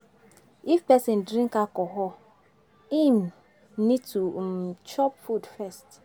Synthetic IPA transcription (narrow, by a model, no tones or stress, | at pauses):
ifpɛsɛ̃ndɾĩŋkakɔɦɔ | ĩm | nĩd̚tʰumt͡ʃʰɔpfudfɛst